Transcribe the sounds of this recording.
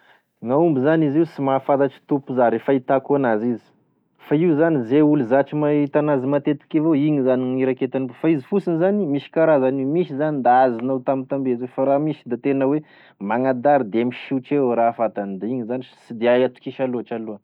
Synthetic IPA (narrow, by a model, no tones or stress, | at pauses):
ŋaumbizaniziusimafad̪aʈ͡ʂi̥t̪upuzaɾefait̪akuanazizi̥ | faiuzanizeuluzaʈ͡ʂimaɦit̪anazimat̪et̪i̥kavoiɲizaniŋiɾaket̪anubofaizifusinizanimiʃi̥kaɾazanimiʃizanind̪aazinawt̪amint̪ambezwefaɾamiʃi̥d̪at̪enəwe | maŋad̪aɾid̪eamiʃit͡ʃewɾafat̪anid̪aiɲizanisid̪eajat̪u̥kiʃaluaʈ͡ʂaluə